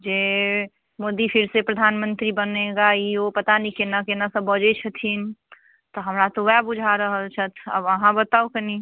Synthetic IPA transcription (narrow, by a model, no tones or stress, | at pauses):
d͡ʒeː | moːd̪ipʰɪɾsepɾəd̪ʱaːnmə̃nt̪ɾibəneɡaiopət̪anikenakenasəbːəd͡ʒet͡ʃʰət̪ʰin | t̪oɦəmɾat̪oʋɛbud͡ʒʱaɾəɦəlt͡ʃʰət̪ʰə̰bəɦãbət̪aukeni